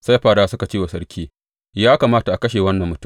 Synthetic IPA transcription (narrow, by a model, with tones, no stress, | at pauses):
sa˦jɸaː˨ɽaː˦sʊ˦ka˨t͡ʃeː˦wa˨sɐ˦ɽkʲiː˦ | jaː˦kaː˨maː˦ta˨ʔa˨kɐ˦ʃeː˨wɐ˦nːɐ˨mːʊ˦tʊ˦˨